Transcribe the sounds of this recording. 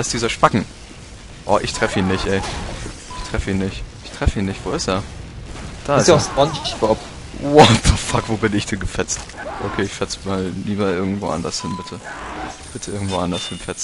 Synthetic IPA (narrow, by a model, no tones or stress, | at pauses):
aɪsd̥iːzɐʃpakŋ̩ | ʔɔ̰ːʔɪçtʁ̥ɛfəiːnːɪçtʔɛɪ | ʔɪçtʁ̥ɛfəiːnːɪçtʔɪçtʁ̥ɛfəiːnɪçtv̥oːɪseːɐ | d̥aːɪsaʊsɔnçkɔp | wɔtəfakv̥oːbɪnɪçd̥ɛnɡəp͡fɛt͡st | ʔokʰeːɪçfɛt͡smaːlliːbɐʔɪɐɡŋ̩tv̥o̰ːʔa̰ndɐshɪnbɪtʰəb̥ɪtʰəʔɪɐɡŋ̩tv̥oːʔandɐshɪnpfɛt͡s